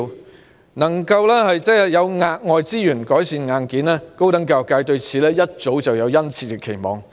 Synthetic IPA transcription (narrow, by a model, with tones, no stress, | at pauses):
nɐ˨˩ŋkɐ˧wlɛː˥hɐ˨jt͡sɛː˥˨jɐ˨˧wŋaː˧k̚ŋɔː˨˧jt͡siː˥jyː˨˩nkɔː˨˥jsiː˨nŋaː˨˧nkiː˨˥nlɛː˥ko˥wt̪ɐ˨˥ŋkaː˧˨˩kaː˧jt̪ɵ˧ɥt͡sʰiː˨lɛː˥jɐ˥t̚t͡so˨˥wt͡sɐ˨wjɐ˨˧wjɐ˥nt͡sʰiː˧kɛ˧kʰe˨˩jmɔ̰ː˨ŋ